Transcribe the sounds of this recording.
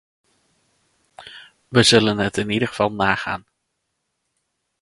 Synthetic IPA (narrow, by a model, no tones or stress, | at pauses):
ʋəzɵlənɦətɪnidəχv̥ɑlˠnaːχa̰ːn